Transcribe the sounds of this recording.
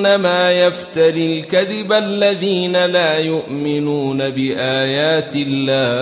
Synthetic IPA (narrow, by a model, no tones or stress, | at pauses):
namaːjaft̪aɾilkaðɪbalːaðiːnalaːjʊʔmɪnuːnabɪʔaːjaːt̪ɪlːaː